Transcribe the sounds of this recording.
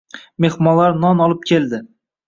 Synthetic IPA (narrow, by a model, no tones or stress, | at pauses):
me̞hmɒlaɾnɒnɒlˠɪp̚kʲʰe̞ld̪ɪ